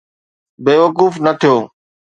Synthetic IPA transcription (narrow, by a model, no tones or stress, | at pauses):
beːʋəkuːfnɐt̪ʰijoː